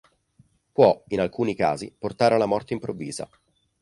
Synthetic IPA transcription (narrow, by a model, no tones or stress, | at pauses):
pwɔinalkuːnika̰ːzḭport̪aːɾealːamɔrt̪eimpɾovːḭːza̰